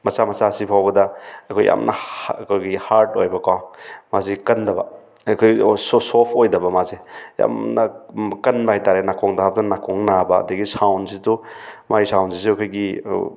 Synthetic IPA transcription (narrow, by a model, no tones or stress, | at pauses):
mɐsamɐsasipʰawbɐdɐɐkʰojʔa̰mnʔɐ̰kʰojɡihaɾtojbɐkamazikɐndɐbɐ | kʰojsosopʰojdɐbɐmazeja̰mnɐkɐnbɐhajtaɾenakʰɔŋdaabɐdɐnakʰɔŋnabɐɐ̰dɐɡisawnsidumajsawnsisekʰojɡi